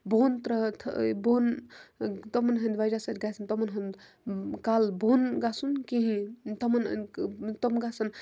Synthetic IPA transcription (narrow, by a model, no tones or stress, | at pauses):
bʱont̪ɾɐt̪ʰbon | t̪ɔmɐnɦɐnd̪ʋajd͡ʒasɐt̪ɡasɐnt̪ɔmɐnɦɐn | kalbonɡasunkiɦĩt̪ɐmɐn̰nt̪omɡasɐn